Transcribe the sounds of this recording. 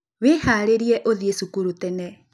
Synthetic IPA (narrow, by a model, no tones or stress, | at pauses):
wehaɾeɾiɛʔoðiesukuɾutɛnɛ